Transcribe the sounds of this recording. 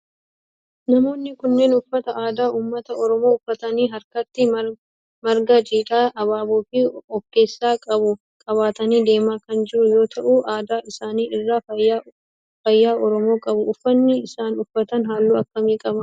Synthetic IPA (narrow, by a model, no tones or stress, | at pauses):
nɐmo̞ːnːɪkʊnːe̞ːnʊfːɐt̪ɐʔaːd̪aːuːmːɐt̪ɐɔɾɔmo̞ːʊfːɐt̪ɐniːɦɐɾkɐt̪ːɪ | mɐɾɡɐd͡ʒiːᶑaːʔɐβaːboːfɪɔkːe̞ːsːaːkʼɐbʊ | kʼɐβaːt̪ɐniːd̪e̞ːmaːkɐnd͡ʒɪʔʊjo̞ːt̪ʰɐʔuːʔaːd̪aːɪsaːniːɪrːaːa | fɐjːaːʔɔɾɔmo̞ːkʼɐbʊʊfːɐnːɪɪsaːnʊfːɐt̪ɐnɦaːlːuːɐkːɐmiːkʼɐbɐ